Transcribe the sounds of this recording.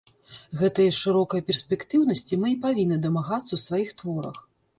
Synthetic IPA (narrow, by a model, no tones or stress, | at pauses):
ɣɛt̪ɐjɐʂɨɾɔkɐjɐpʲɛrsʲpʲɛkt̪ɨwnɐsʲt͡sʲimɨipavʲinːɨd̪ɐmaɣat̪sːɐwsvajixt̪vɔɾɐ̰x